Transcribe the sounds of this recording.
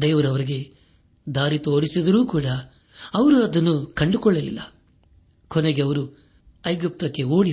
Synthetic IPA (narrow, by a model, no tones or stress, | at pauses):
d̪eːʋɐɾɐʋɐɾiɡe̞ | d̪aːɾit̪o̞ːɽisid̪ɐɾuːkuːɽɐ | ɐʋɐɾuɐd̪ɐnːukɐɳɖukɔɭːɐlḭlːɐ | kɔneɡeɐʋɐɾu | ɐjɡip̚t̪ɐkːe̞oːɽi